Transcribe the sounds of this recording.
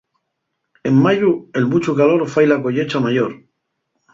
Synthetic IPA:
e̞mːaʝue̞lmut͡ʃukalo̞ɾfajlako̞ʎet͡ʃamaʝoɾ

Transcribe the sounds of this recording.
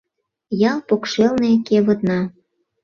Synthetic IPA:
jɑlˠpokʃelnekeβə̆t̪nɑ

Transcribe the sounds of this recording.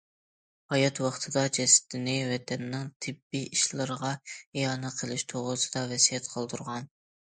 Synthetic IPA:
hɑjɑt̪wɑχt̪ʰɨd̪ɑd͡ʒɛsɪ̥t̪ɪnɪwɛt̪ʰɛnːɪŋt̪ʰɪbːiiʃlˠɨɾəʁɑejɑːnɨqʰəlˠɪʃt̪ʰoʁɾʊsɨd̪ɑvɛsijɛt̪qʰəlˠd̪uɾʁɑn

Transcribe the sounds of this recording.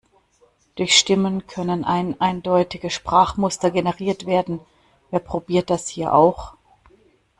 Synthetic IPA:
d̥ʊɐçʃtɪmənkʰœnənʔaɪnʔaɪndɔʏtɪɡəʃpʁ̥aːχmʊstɐɡenəʁiːɐtv̥eːɐdn̩ | ʔeːɐpʁ̥obiːɐt̚d̥ashiːɐʔa̰ʊx

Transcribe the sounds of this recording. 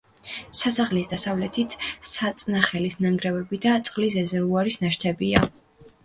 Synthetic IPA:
sasaʁlisd̪asavlɛt̪ʰit̪ʰsat̪sʼnaχɛlisnaŋɡɾɛvɛbid̪at̪sʼqʼlis̬ɛzɛɾvuaɾisnaʃt̪ʰɛbia

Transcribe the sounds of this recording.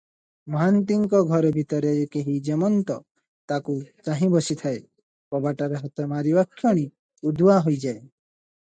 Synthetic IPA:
mɔɦant̪̬iŋkɔɡʱɔɾɔbʱit̪ɔɾekeɦid͡ʒemɔnt̪ɔ | t̪akut͡ʃaɦĩbɔsit̪ʰae | pɔbaʈaɾeɦɔt̪ɔmaɾibakʰːjɔɽ̃i | ud̪waɦojd͡ʒae

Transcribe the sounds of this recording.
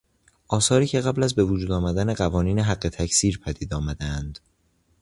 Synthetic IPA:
ʔɒːsɒːɾiːcʲʰe̞ɣæblæzbe̞vod͡ʒuːd̪ɒːmæd̪æne̞ɢævɒːniːneɦæɢːe̞t̪ʰæcʰsiːɾpʰæd̪iːd̪ɒːmæd̪eænd̪̥

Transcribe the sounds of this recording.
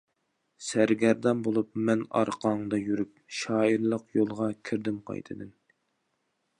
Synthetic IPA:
sæɾɡʲæɾd̪ɑmbolˠupmɛnɑ̰ɾqʰɑɴd̪ɑjyɾyp̚ʃɑːiɾlˠəqjolˠʁɑkʲʰiɾd̪ɪmqʰɑ̰jt̪ʰɨd̪ɨn

